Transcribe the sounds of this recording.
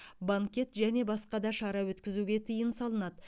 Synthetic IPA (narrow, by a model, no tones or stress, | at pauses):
baŋkʲe̞t̪ʒæne̞bɑsqɑd̪ɑʃɑɾɑwɵt̪kʲɪzuɡʲe̞t̪ʰijɪnsɑlˠənɑd̪ə